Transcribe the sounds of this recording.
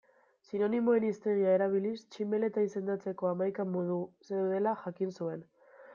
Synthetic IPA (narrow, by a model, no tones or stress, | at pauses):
sino̞nimo̞e̞nist̪e̞ɾiae̞ɾaβ̞ilist͡ʃimbe̞le̞t̪aise̞nd̪at͡se̞ko̞amajkamoðuse̞wðe̞laʝakinsue̞n